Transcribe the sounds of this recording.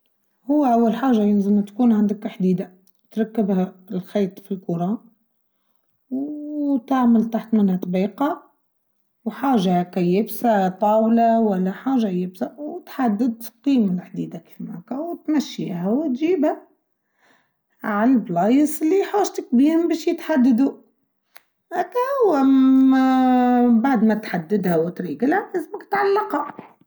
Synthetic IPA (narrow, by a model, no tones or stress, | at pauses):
hʊwːæʔawːalħaːʒajɪlzəmt̪kuːnʕand̪əkːħd̪iːd̪a | t̪ɾˤɑkːəbhælxiːt̪ˤfilkʊɾˤɑ | wt̪aʕməlt̪aħt̪mɪnhæt̪ˤbiːqɑ | wħaːʒakæjeːbsat̪ˤɑːwlawælːaħaːʒajebsawt̪ħad̪ːɪd̪qiːmlħd̪iːd̪akfima̰kæwt̪mæʃːḭːhæwt̪ʒiːbhæ | ʕalblɑːjəsɪlːiħaːʒt̪ɪk̚biːhʊmbæːʃjɪt̪ħad̪ːad̪u | ʔækːæhʊwː | baʕd̪mæt̪ħad̪ːɪd̪hawt̪ɾiːɡɪlhæʔɪzməkt̪ʕalːɑqa